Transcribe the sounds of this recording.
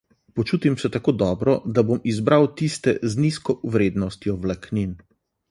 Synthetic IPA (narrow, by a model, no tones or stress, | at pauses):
pɔt͡ʃuːt̪imsɛt̪akoːd̪ɔːbɾɔd̪abomizbɾawt̪ist̪ɛzniskɔwɾeːd̪nɔst̪jɔwlaknin